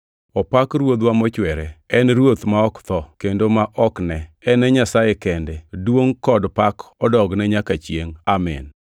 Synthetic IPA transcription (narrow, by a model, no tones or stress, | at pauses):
ɔpakrwod̪wamɔt͡ʃwɛɾɛɛnɾwot̪maɔkt̪ɔkendomaʔɔknɛɛnɛɲasajekɛndɛdwoŋkɔdpakɔdɔɡnɛɲakat͡ʃjeŋamɛ̰n